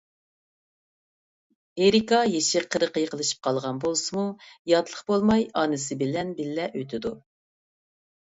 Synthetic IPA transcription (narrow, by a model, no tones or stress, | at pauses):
eɾikɑjeʃɪqʰəɾəqəjqʰəlˠɨʃi̥p̚qʰɑlˠʁɑnbolˠsɨmujɑt̪lˠəχbolˠmɑjɑnɨs̬ɨbɪlɛnbɪlːɛʔøt̪ʰɪd̪u